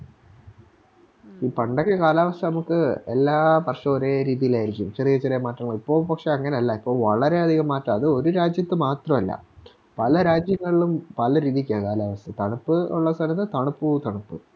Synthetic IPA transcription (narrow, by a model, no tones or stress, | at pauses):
iːpɐɳɖɐkːekaːlaːʋɐst̪ɐnɐmukːɨelːaːpɐrʂɐoɾe̞ːɾiːðijilaːjiɾikʲːumt͡ɕɐrijɐt͡ɕːɐɾemaːʈːrɐŋːɐɭipːo̞ːɭpɐkʂe̞ɐŋːɐneɐlːɐipːo̞ːɭʋɐɭɐɾe̞ɐd̪ʱiɣɐmːaːʈrːɐmɐðɨo̞ɾuɾaːd͡ʑjɐt̪ːɨmaːt̪rɐmɐlːɐ̰ | pɐlɐɾaːd͡ʑjɐŋːɐɭiɭumpɐlɐɾiːðikʲːakaːlaːʋɐst̪ɐt̪ɐɳupːɨuɭːɐsɐlɐnːɨt̪ɐɳupːut̪ɐɳupːɨ